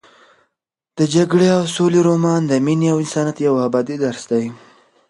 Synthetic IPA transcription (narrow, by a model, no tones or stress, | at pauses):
d̪̥əd͡ʒaɡɽeawsoleɾomɑnd̪əminiawɪnsɑnat̪jawabɑd̪id̪aɾsd̪aj